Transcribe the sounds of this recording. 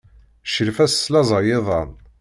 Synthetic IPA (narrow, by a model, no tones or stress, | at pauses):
ʃəlfæsːlɑzˤɑjeðˤɑn